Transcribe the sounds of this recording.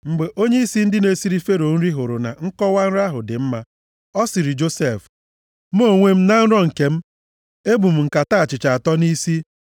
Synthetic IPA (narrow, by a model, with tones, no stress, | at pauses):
ŋ͡m̩˨ɡ͡be˨ʔo˦ɲe˦i˦si˦n̩˦dɪ˦ne˨si˦ɾi˦fe˦ɾo˨n̩˦ɾi˦ɦʊ˨ɾʊ˨na̰˨ŋ̩˦kɔ˦wa˦n̩˦ɾa˦ɦʊ˨dɪ˨m̩˦ma˦ | ɔ˦sɪ˨ɾi˨d͡ʒo˦se˨f | m˦o˦˨ŋʷe˦m̩˦na˦n̩˦ɾɔ˦ŋ̩˨ke˨m̩˦ | e˦bu˨m̩˨ŋ̩˨ka˨ta˦˨t͡ʃɪ˨t͡ʃa˨a˨tɔ˦ni˦si˦